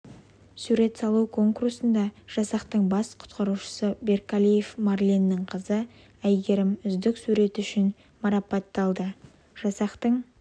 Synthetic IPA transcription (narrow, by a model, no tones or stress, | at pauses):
suɾe̞t̪sɑlˠuwkʰo̞ŋkuursənd̪ɑʒ̥ɑsɑqt̪əɴbɑsqʰʊ̥t̪qɑɾuʃə̥səbe̞ɾkalʲije̞fmɑrlʲinːɪɴqʰəzə | æjɡʲe̞ɾɪmʏzd̪ɪksuɾe̞t̪ʏʃɪn | mɑɾɑpɑt̪ːɑlˠd̪ə | ʒ̥ɑsɑqt̪əɴ